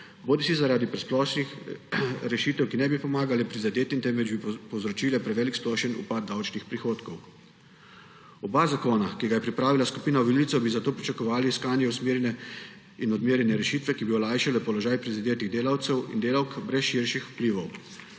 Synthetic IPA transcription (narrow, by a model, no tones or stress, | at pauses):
boːd̪isizaɾaːd̪ipɾɛsplɔːʃnix | ɾɛʃiːt̪ɛwkinɛbipɔmaːɡalɛpɾizad̪eːt̪int̪ɛmʋɛd͡ʒbipɔwzɾɔt͡ʃiːlɛpɾɛʋɛːliksplɔːʃɛnṵpaːd̪̚d̪awt͡ʃnixpɾixoːt̪kɔw | ɔbazakoːnakiɡajɛpɾipɾaːʋilaskupiːnaʋilit̪sɔbizat̪oːpɾit͡ʃakɔʋaːliiskaːnjɛusmeːɾjɛnɛ | inɔd̪meːɾjɛnɛɾɛʃiːt̪ʋɛkibiɔlajʃɛlɛpɔlɔʒaːjpɾizad̪eːt̪iɣd̪eːlawt̪sɛwḭnd̪eːlawkbɾɛsʃiɾʃixu̥pliːʋɔw